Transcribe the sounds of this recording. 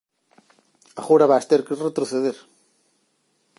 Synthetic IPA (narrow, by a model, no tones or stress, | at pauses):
axoɾaβaest̪eɾkɪret̪ɾoθeðeɾ